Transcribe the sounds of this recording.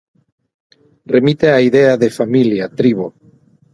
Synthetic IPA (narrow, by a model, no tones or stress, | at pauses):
remit̪eaiðeaðefamiljat̪ɾiβo